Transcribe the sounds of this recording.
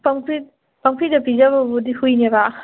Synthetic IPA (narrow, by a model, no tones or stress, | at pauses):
paŋpʰɾi | paŋpʰɾidɐpizɐbɐbudihujneba